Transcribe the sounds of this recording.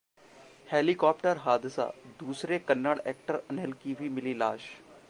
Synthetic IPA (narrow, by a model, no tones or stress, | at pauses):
heːlikɔːp̚ʈəɾɦaːd̪ɪsa̰ːd̪uːsɾekənːəɽɛːk̚ʈəɾənelkiʋimɪlilaːʃ